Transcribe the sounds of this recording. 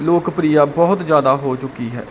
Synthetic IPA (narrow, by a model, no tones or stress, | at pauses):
loːkpɾiːjaːbɔːt̪zjaːd̪aːɦoːt͡ʃʊkːiːɦɛ̰ː